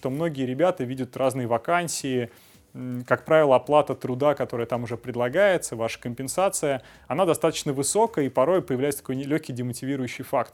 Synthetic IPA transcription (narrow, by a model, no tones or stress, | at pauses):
t̪o̞mno̞ɡʲɪjəɾʲɪbʲat̪əvʲidʲʊt̪raznɨjəvɐkanʲsʲɪɪ | kak̚pɾavʲɪlˠəɐplˠat̪ət̪ɾʊd̪akɐt̪o̞ɾəjət̪amʊʐɛpɾʲɪd̪lˠɐɡajɪt̪səvaʂə̥kəmʲpʲɪnsat̪sɨjə | ɐnad̪ɐst̪at̪ə̥t͡ɕnəvɨso̞kəipɐɾo̞jpəjɪvlæjt̪st̪ɐkojlʲɵçʲkʲijdʲɪmətʲɪvʲiɾʊjʉɕːɪjfakt̪̚